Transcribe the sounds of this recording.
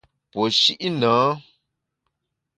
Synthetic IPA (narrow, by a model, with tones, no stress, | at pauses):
po˨ʃi˦ʔi˦nə̃ː˨˦